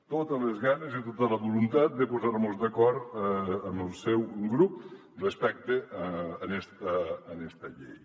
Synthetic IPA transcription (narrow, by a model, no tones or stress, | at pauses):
t̪ot̪əlezɣanezit̪ot̪ələβulunt̪at̪̚d̪əpuzaɾmozd̪əkɔɾt̪əməlˠsɛwɡɾup̚ | respɛk̚t̪eənɛst̪əːnɛst̪əʎḛj